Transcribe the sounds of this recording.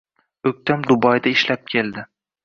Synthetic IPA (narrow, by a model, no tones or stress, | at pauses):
ɵk̚ʲt̪ʰamd̪ʊbɒjd̪aɪʃlap̚kʲʰe̞ld̪ɪ